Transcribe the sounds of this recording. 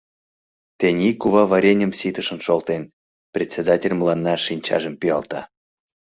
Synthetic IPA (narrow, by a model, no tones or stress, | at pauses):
t̪enʲikːuβɑβɑɾʲenʲə̆msit̪əʃə̆nʃolt̪en | prʲet̪ʲsʲed̪ɑtʲelʲmlɑnːɑʃinʲt͡ɕɑ̰ʒə̆mpiɑlt̪ɑ̰